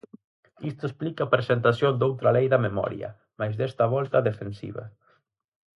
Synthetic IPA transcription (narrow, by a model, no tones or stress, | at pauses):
ist̪oesplikapɾesent̪asjond̪owt̪ɾalejðɐmemɔ̰ɾj̰ɐ̰ | majzðɛst̪aβ̞ɔlt̪aðefensḭβɐ̰